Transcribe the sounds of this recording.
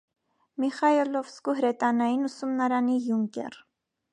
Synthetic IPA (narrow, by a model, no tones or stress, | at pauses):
miχɑilɔvskuɦɾɛt̪ɑnɑjinusumnɑɾɑnijuŋkɛ̰r